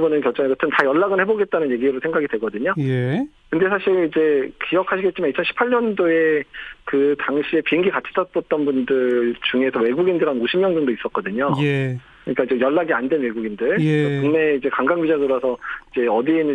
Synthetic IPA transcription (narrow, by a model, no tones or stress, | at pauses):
bunɯnkjʌɭt͡ɕ͈ʌŋekɯtʰɯntajʌɭːaɡɯnheboɡe̞t̚t͈anɯnje̞ɡiɾosʰe̞ŋɡaɡidwe̞ɡʌdɯɲoje | kɯnde̞sʰaɕʰiɾid͡ʑe̞kijʌkʰaɕʰiɡet̚t͡ɕimanɲit͡ɕʰʌnɕʰi̥pʰaɭɲʌndoe̞kɯtaŋɕʰie̞piŋɡikat͡ɕʰi̥tʰʌs͈ʌt̚t͈ʌnbundɯɭɭt͡ɕuŋe̞sʰʌwe̞ɡuɡindɯɾanoɕʰimɲʌŋd͡ʑɯŋdois͈ʌk̚k͈ʌdɯɲoj | ɯɲik͈aid͡ʑejʌɭːaɡiandwe̞nwe̞ɡuɡindɯɭkuŋne̞id͡ʑe̞kaŋɡaŋɡid͡ʑadɯɾʌsʰʌid͡ʑe̞ʌdin